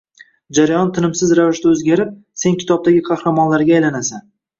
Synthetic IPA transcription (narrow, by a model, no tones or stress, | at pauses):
d͡ʒaɾajɒnt̪ʰɪnɪmsɪzɾavɪʃd̪aɵzɡʲaɾɪp̚ | se̞nkʲʰɪ̥t̪ʰɒb̚d̪aɡʲɪqʰɑhɾamɒnlaɾɡʲaːjlanasan